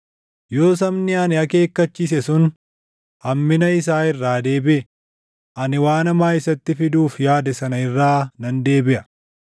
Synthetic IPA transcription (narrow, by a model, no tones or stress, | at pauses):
jo̞ːs̬ɐmnɪɐnɪɐke̞ːkːɐt͡ʃːiːs̬ɛsʊn | hɐmːɪnɐɪsaːɪrːaːd̪e̞ːbɪʔɛ | ʔɐnɪwaːnɐmaːɪsɐt̪ːɪfɪd̪uːfjaːd̪ɐsɐnɐɪrːaːnɐnd̪e̞ːbɪʔɐ